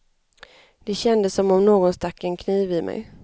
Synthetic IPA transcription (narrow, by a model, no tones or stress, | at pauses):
d̪̥ɛɕɛnd̪əsːɔmɔmnoːɡɔnst̪akːɛnkʰniːvɪmʔɛ̰j